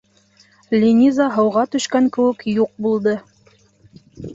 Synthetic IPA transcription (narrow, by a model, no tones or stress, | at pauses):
lʲinʲizaɦɤ̆wʁɑt̪ɵ̆ʃkæŋkɘ̆wɘ̆kjuq̚bulˠd̪ɤ